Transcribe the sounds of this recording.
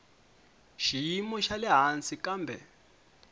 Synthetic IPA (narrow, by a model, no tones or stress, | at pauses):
ʃijimɔʃalɛɦant͡sikambʱɛ